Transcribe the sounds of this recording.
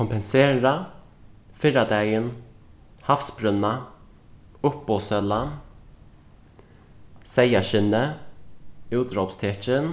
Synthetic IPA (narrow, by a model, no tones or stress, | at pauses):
kɔmpɛnseːɾa | fɪɾad̪ɛːɡən | hafsbɾɵna | ʊpːɔsœla | sɛjaɕɪnə | ʉːd̪ɾɔpst̪ʰɛːt͡ʃən